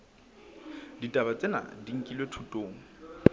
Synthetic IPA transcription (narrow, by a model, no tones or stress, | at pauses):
ditʼaβat͡sʼena̰diŋ̩kʼilwetʰutʼoːŋ̩